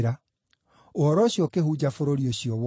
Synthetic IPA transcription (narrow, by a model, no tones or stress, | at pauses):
ɾa | ohɔɾɔɕiɔkehud͡ʑafoɾoɾioɕiɔw